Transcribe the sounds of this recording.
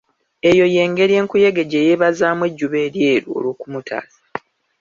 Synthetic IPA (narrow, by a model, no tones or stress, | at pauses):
e̞jo̞je̞ːŋɡe̞ɾje̞ːŋkuje̞ɡeɟeːjeβazaːmweɟːuβe̞ːɾje̞ːɾo̰ːlwoːkumutʰa̰ːzḁ